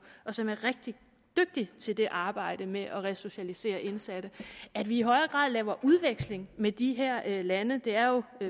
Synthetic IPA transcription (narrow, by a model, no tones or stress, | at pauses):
ʔɒ̽sɒ̽mæɐʁeɡ̥̚d̥i | d̥øɡ̥̚d̥it͡sʰe̝ld̥e̝ʔɑ̈ːb̥ɑ̈ɪ̰d̥əmeʔɒ̽ʁɛso̝ɕælise̝̰ːɐʔe̝nsæd̥əæd̥ʋiːɦɒ̽ɪɐɡ̥ʁɑ̰̈ð̰ˠlɛːʊɐʔuð̞ˠʋeɡ̥sle̝ŋmed̥iɦæɐ̰lænəd̥e̝æɐjo̝